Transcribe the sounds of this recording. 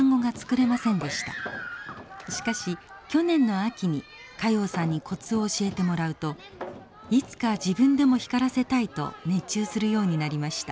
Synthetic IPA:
ŋɡo̞ɡat͡sɨ̥kɯ̟ɾe̞masẽ̞nd̪e̞ɕi̥t̪a̰ | ɕi̥kaɕikʲo̞nẽ̞nːo̞akʲiɲ̟i | kajo̞ːsãɲ̟ːikʰo̞t͡sɨo̞ːɕie̞t̪e̞mo̞ɾaɯ̟t̪o̞ | it͡sɨ̥kad͡ʑibɯ̟̃nd̪e̞mo̞çi̥kaɾase̞t̪ait̪o̞̰ne̞t͡ɕɨːsɨɾɯ̟jo̞ːɲ̟inaɾʲimaɕi̥t̪a

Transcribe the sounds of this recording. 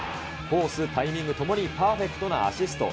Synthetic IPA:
ko̞ːsɨt̪aimʲĩŋɡɯ̟t̪o̞mo̞ɲ̟ipaːɸe̞kɯ̟̥t̪o̞na̰a̰ɕisɨ̥t̪o̞̰

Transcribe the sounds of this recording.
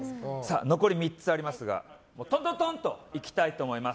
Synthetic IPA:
sa̰ːno̞ko̞ɾʲimʲit͡sɨaɾʲimasɨɡa̰ | moːt̪ont̪ot̪õnt̪o̞̰ikʲi̥t̪ait̪o̞ːmo̞imas

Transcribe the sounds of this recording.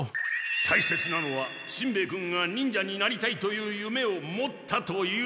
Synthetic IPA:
t̪ʰaise̞t͡sɨnano̞βa | ɕĩmbe̞ːkɯ̟̃ŋɡaɲ̟ĩɲ̟d͡ʑaɲ̟ːinaɾʲit̪ait̪o̞jɯ̟ːjɯ̟me̞o̞mo̞t̪ʰːat̪o̞jɯ

